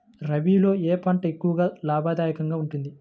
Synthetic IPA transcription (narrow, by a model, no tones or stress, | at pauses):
ɾɐʋiːlo̞ːeːpɐɳʈɐekːuʋɐɡaːlaːbʱaːd̪aːjɐkɐŋɡaːuɳʈund̪i